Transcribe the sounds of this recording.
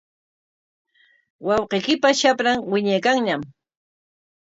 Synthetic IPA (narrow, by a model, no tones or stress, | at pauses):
wɑwqejkɪpaʃapɾaŋwɪɲajkaŋɲam